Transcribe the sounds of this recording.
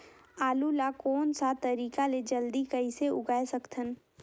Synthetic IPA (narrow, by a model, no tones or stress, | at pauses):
aːlulakoːnsat̪ɐɾiːkaled͡ʒɐld̪ikɐiseʊɡaːesɐkt̪ʰən